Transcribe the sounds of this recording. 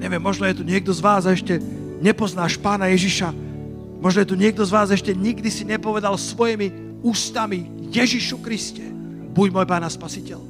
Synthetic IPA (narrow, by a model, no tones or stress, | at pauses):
ɲɛʋɪɛmːɔʒnɔjɛt̪uɲɪɛɡ̚d̪ɔzʋaːzɛʃcɛ | ɲɛpɔznaːʃpaːnajɛʒiʃa | mɔʒnɔjɛt̪uɲɪɛɡ̚d̪ɔzʋaːzɛʃcɛɲiɡ̚d̪isiɲɛpɔʋɛd̪alsʋɔjimi | uːst̪ami | jɛʒiʃukɾiscɛ | buɟmɔːjpaːnaspasicɛl